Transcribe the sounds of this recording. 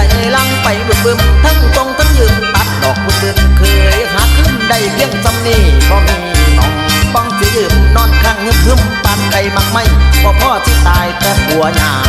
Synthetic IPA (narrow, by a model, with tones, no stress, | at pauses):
a˧˩jʔa˨˧˩jlaː˧˩ŋ˧pa˨jbu˨˧˩t̪̚bɯ˧mt̪ʰa˧˩˨ŋko˧˨ŋt̪ʰa˧˥˨ŋjɯː˧˩nt̪a˨˧˥t̪̚dɔː˨˩k̚ːu˧˩t̪ɯ˧ŋkʰɯː˨˩˧jhaː˨˦kʰɯ˧˥˩mda˧˩jpʰi˧˩əŋsa˧mniː˧˩bɔː˧˩miː˧nɔ̰˨˦ŋbɔ˧˩ŋsɯ˨˦lɯː˧˩t̚nɔː˧˥˩nkʰaː˧˥˩k̚ŋɯ˧˥˨hɯ˧˩˨m | pa˨˧˩t̪̚ka˨˧˩jma˧˩k̚ma˧˥˩jbɔː˧˩pʰɔː˧˥˩si˧˩t̪aː˨˧jt̪ɛː˧˩pu˨˦ɐɲaː˧˩